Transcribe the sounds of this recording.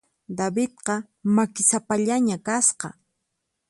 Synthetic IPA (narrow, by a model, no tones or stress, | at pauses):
d̪abɪt̪qɑ | makɪsapaʎaɲakasqɑ